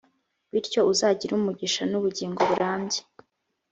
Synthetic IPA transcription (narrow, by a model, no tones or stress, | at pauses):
βiɾco̞uzaːɟiɾumuɟiʃanuβuɟiːŋɡo̞βuɾʔaːmɟe̥